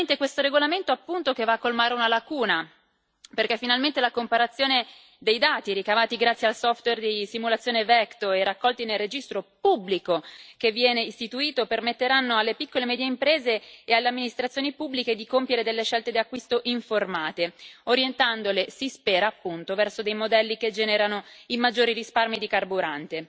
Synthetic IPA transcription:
nt̪ekwest̪oɾeɡolament̪oapːunt̪okevaːkːolmaːɾeunalakuːna | perkefːinalment̪elakompaɾat̪sːjoːne | d̪ejd̪aːt̪iɾikavaːt̪iɡɾat̪sːjealsɔft̪werd̪isimulat̪sːjoːnevɛkt̪oɛrakːɔlt̪inelred͡ʒist̪ɾopubːlikokevːjɛːneist̪it̪uiːt̪opermet̪ːeɾanːoalːepikːolemɛːd̪jeimpɾeːzeːalːeamːinist̪ɾat̪sːjoːnipubːliked̪ikompjeɾed̪elːeʃɛlt̪ed̪iakːwist̪oʔiɱformaːt̪eoɾjent̪and̪olesispɛːɾaːpːunt̪ovɛrsod̪ejmod̪ɛlːiked͡ʒɛːneɾanoimad͡ʒːoːɾirisparmid̪ikarbuɾant̪e

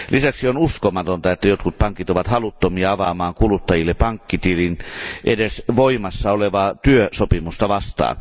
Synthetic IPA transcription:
lʔisæksionuskomɑt̪ont̪ɑet̪ːæjot̪kut̪̚pɑŋkit̪oʋɑt̪hɑlut̪ːomiɑɑʋɑmɑːŋkulut̪ːɑjilːepɑŋkːit̪ilinʔedesʋoimɑsːɑoleʋɑːt̪yøsopimust̪ɑʋɑst̪ɑ̰ːn

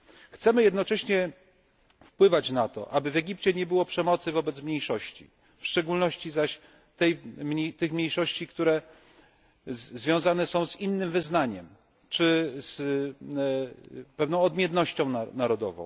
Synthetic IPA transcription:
xt̪sɛmɘjɛd̪nɔt͡ʂɛɕɲɛ | fpwɘvat͡ɕnat̪ɔ̰ʔabɘvɛɡʲipt͡ɕɛɲɛbɘwɔpʂɛmɔt̪sɘvɔbɛt̪smɲejʂɔɕt͡ɕḭ | fʂt͡ʂɛɡulnɔɕt͡ɕizaɕ | t̪ɛjt̪ɘxmʲɲejʂɔɕt͡ɕikt̪uɾɛ | zvʲjɔ̃w̃zanɛsɔ̃w̃zinːɘmvɘznaɲɛm | t͡ʂɘs | pɛvnɔ̃w̃ɔd̪mʲjɛnnɔɕt͡ɕɔ̃w̃nanaɾɔd̪ɔ̰vɔ̰̃w̃

